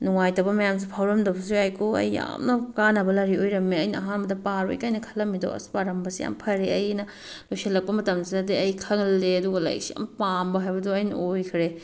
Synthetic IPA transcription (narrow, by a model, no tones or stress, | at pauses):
nuŋajtɐwbɐmɐjams̬ipʰawɾɐmdɐbɐs̬ujajkoɐ̰jːa̰mnɐkanɐbɐlɐɾiojɾɐmːeɐjnɐɐɦanbɐdɐpaɾo̰jkajnɐkʰɐ̥lːɐmido̰ɐ̰si̥paɾɐmbɐsija̰mpʰɐɾeɐjnɐ | lojselːɐk̚pɐmɐtɐmsidɐdiɐjkʰɐŋlːeɐduɡɐla̰jɐ̰k̚sija̰mpambɐɦajbɐduɐjnɐ̰ojkʰɾe